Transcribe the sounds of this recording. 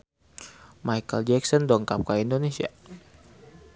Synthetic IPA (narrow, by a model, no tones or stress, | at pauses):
majkəld͡ʒɛksɔndɔŋkap̚kaindonesia̰